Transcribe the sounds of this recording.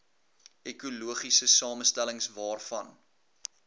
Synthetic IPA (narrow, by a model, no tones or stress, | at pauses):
ekuluəχisəsɑːməstæləŋsvɑːrfɐn